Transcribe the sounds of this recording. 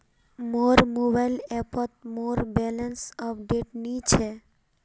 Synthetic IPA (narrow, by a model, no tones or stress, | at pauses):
moɾmobajlɛpɔt̪̚moɾbɛlensɔpɖeʈnit͡ɕʰe